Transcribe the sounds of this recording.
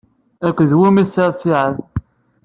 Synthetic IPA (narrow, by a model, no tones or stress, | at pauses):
ækʷːðwimisəɾt͡sːiʕəð